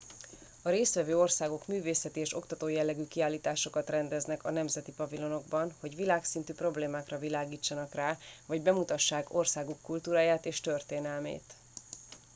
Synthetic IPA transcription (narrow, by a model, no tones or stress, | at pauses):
ɒɾeːst̪ʋɛvøːo̞rsaːɡo̞kmyːveːsɛt̪ieːʃo̞kt̪ɒt̪oːjɛlːɛɡyːkiaːlːiːt̪aːʃo̞kɒt̪rɛnd̪ɛznɛkɒnɛmzɛt̪ipɒvilo̞no̞ɡbɒnho̞ɟʋilaːksint̪yːpro̞bleːmaːkrɒvilaːɡiːt͡ʃːɒnɒkraːvɒɟbɛmut̪ɒʃːaːko̞rsaːɡukːult̪uːɾaːjaːt̪eːʃt̪ø̞rt̪eːnɛlmḛːt̪